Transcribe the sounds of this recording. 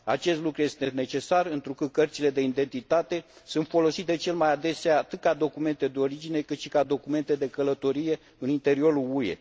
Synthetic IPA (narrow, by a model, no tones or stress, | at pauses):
a̰t͡ʃe̞st̪lukɾuje̞st̪e̞net͡ʃe̞sarɨnt̪ɾukɨt̪̚kərt̪sile̞d̪e̞ind̪e̞nt̪it̪at̪e̞sunt̪fo̞lo̞sit̪̚d̪e̞t͡ʃe̞lmajad̪e̞seaːt̪ɨt̪̚kad̪o̞kume̞nt̪e̞d̪eo̞ɾid͡ʒine̞kɨt̪ʃi̥kad̪o̞kume̞nt̪e̞d̪e̞kələt̪o̞ɾije̞ | ɨnint̪e̞ɾio̞ɾuluje̞̰